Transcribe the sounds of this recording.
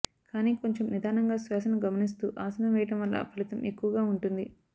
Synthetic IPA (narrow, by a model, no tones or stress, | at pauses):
kaːniːko̞ɲt͡ʃemnid̪ʱaːnɐŋɡaːsʋaːsɐnuɡɐmɐnist̪uːʔaːsɐnɐʋɛːjɐʈɐmʋɐlːɐ̰pʰɐlit̪ɐmekːuʋɐɡaːuɳʈund̪i